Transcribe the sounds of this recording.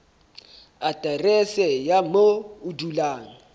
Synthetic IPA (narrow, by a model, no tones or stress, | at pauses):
atʼarɛsɛjamoʊdulaːŋ̩